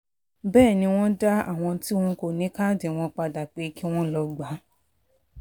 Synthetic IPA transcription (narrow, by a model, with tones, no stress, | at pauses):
bɛː˦˨nĩ˧w̃ɔ̃˦da˦a̰˦˨w̃ɔ̃˧ti˦w̃ɔ̃˦ko˨nĩ˨˦ka˦˨de˨w̃ɔ̃˧k͡pa˧da˨k͡pe˨˦ki˦w̃ɔ̃˦lɔ˧ɡ͡ba˨˦